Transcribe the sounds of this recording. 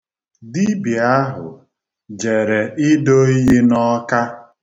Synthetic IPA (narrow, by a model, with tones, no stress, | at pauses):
di˦bi˨a˦ɦʊ̰˨ | d͡ʒe˨ɾe˨ʔɪ˦do˦i˦ɦi˦nɔ˦ka˦